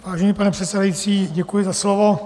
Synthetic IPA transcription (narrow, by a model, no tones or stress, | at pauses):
vaːʒɛnipanɛpr̥ɛt̪sɛdajit͡siːɟɛkujɪzaslovo